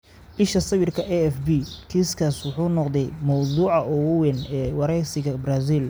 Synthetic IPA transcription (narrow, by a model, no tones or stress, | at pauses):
ʔɪʃɐsɐwɪrkʰɐʔɛɛfbiːkʰiːskʰaswʊħuːnɔqd̪ɛjmɑwd̪uːʕɑʔɔwwɛnɛːwɑɾɛjsɪɣɐbraːsiːl